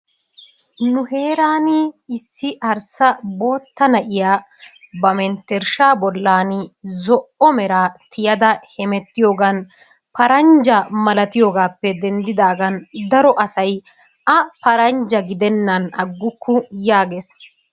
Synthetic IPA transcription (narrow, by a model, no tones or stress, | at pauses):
nʊhe̞ːɾaːnɪɪsːɪɐɾsɐbo̞ːt̪ːɐnɐʔɪjaː | bɐmɛnt̪ːɛɾʃaːbɔlːaːnɪzɔʔɔmɛɾaːt̪ʰɪjɐd̪ɐhɛmɛt̪ːɪjo̞ːɡɐn | pɐɾɐnd͡ʒɐmɐlɐt̪ɪjo̞ːɡaːpːɛd̪ɛnd̪ɪd̪aːɡɐnd̪ɐɾɔʔɐsɐj | ʔɐpɐɾɐnd͡ʒɐɡɪd̪ɛnːɐnɐ̰ɡːʊkʰːʊjaːɡeːs